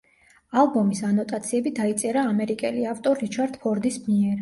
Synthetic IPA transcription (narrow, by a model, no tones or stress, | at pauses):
alˠbɔmisanɔt̪ʼat̪sʰiɛbid̪ait̪sʼɛɾaːmɛɾikʼɛliaft̪ʼɔɾit͡ʃʰaɾd̪̥pʰɔɾd̪ismiɛɾ